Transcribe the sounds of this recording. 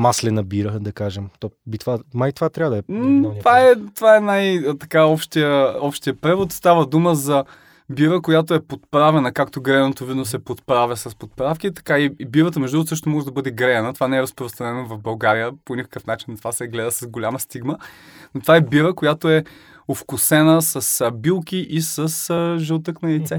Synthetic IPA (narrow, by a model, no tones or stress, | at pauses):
maslɛnəbiɾəd̪ɐkaʒɛmt̪ɔbit̪vamait̪vat̪ɾʲavəd̪ɐɛnot̪vaɛt̪ovaɛnajət̪ɐkaɔpʃt̪ijəɔpʃt̪ijəpɾɛvot̪st̪avəd̪uməzɐ | biɾəkojat̪oɛpot̪pɾavɛnəkakt̪oɡɾɛnot̪ovid̪nosɛpot̪pɾavʲəsɐspot̪pɾafk̟it̪ɐ̥kaiibivət̪əmɛʒd̪uɡt̪sɤʃ̬t̪omɔʒɛd̪ɐbɤd̪ɛɡɾɛɛnət̪ovanɛɛɾɐspɾost̪ɾɐnɛnovɐvbɐlˠɡaɾijəponʲikə̥kəfnat͡ʃinːɐt̪o̥vasɛɡlɛd̪əsɐzɡolʲaməst̪iɡmənot̪ovaɛbivəkojat̪oɛ | ofkʊsɛnəsɐsbilˠkiʔisəsəʒɛlˠt̪ɤknɐlit̪sɛ